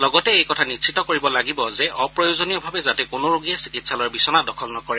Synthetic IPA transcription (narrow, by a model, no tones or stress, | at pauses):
lɔɡɔtɛejkɔtʰanisʰitɔkoɹibɔlaɡibɔzɛʔɔpɹɔjozonijɔbʱabɛzatɛkʊnoɹoɡijasi̥kitsalɔɹbisɔnadɔkʰɔlnɔkɔɹɛ